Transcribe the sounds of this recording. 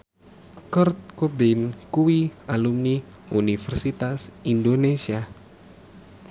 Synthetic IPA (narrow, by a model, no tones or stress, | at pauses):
kərt̪̚kobɪnkuwialumni | unifɛrsit̪asindonesia